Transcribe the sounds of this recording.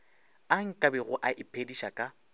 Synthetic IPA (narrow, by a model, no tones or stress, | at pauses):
aŋ̩kʼabɛɣʊʔaʔɪpʰediʃakʼa